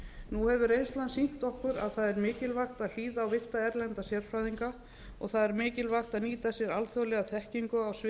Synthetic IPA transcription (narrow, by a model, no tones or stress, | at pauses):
nuhɛvʏɾejnst̪lansin̥t̪ɔhkʏɾa̰ðθaðɛɾmɪːcɪlvaxt̪aðl̥iːðaːwvɪr̥t̪aɛɾlɛnt̪asjɛɾ̥fɾajðiŋka | ɔɣθaðɛɾmɪːcɪlvaxt̪aðniːt̪asjɛɾalθjowlɛɣaθɛhciŋkʏawsɪ